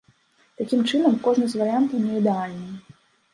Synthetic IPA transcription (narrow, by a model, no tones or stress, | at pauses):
t̪akʲimt͡ʂɨnɐmkɔʐnɨzʲvɐɾɨjant̪ɐwnʲɛid̪ɛalʲnɨj